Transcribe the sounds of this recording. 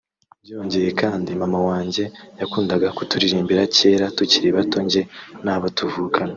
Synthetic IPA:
bjioɲɟe̞je̞kaːndimamawaːɲɟe̞jakuːndaɡakutuɾiɾiːmbiɾace̞ːɾatuciɾeβato̞ɲɟe̞naːβatuvuːkʰana

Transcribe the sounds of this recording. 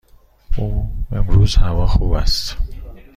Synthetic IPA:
uːemɾuːzhævɒːxuːbæst̪

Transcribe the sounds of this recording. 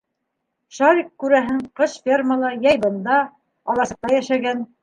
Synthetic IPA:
ʃɑɾʲikːʉɾæɦɘɴqɤʃfʲerməlˠɤjɑjbɤ̆nd̪ɑ | ɒlˠɑsɤ̆q̚t̪ɑjæʃæɡæn

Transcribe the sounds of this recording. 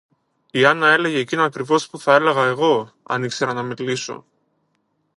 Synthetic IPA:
iɐnɐe̞le̞ʝe̞ːcinoɐkɾivo̞spuθɐe̞le̞ɣɐe̞ɣo̞ | ɐ̰nikse̞ɾɐnɐmiliso̞̰

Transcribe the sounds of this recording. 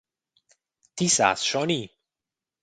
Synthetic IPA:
t̪ʰisa̰sʃɔni

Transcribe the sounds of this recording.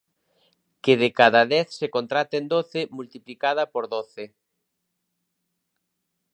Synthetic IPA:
keðekaðaðɛθsekont̪ɾat̪end̪oθɪmult̪iplikað̞ɐpoɾðoθɪ

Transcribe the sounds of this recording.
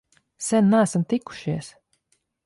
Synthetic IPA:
sɛnːæːsamt̪ikːu̥ʃiɛs

